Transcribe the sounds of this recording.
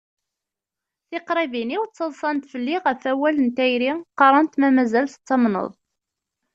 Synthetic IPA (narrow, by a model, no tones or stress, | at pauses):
θɪqɾˤiviniwt͡sːəðˤsˤɑnt̪fəlːiʁəfæwælənt̪æjɾiqɑɾˤɑnt̪mæmæzælθt͡sːɑmnə̰ðˤ